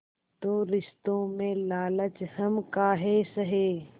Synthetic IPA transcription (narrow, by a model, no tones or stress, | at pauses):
t̪oːɾɪʃt̪õːmẽlaːlət͡ʃhəmkaːɦeːsəɦeː